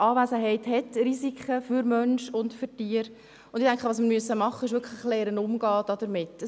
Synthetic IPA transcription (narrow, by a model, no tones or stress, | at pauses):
ʔɑːvæzəɦɛɪthɛtrisikχəfyɾmœnʃʊndfyɾtiːəɾ | ʊndɪtæŋkχəʋɑːs̬miːɾmyəsəmɑχːənɪʃ̬ʋʏɾkʰlɪχlɛːɾənʊmɡɑːd̥ɑd̥əɾmɪtːə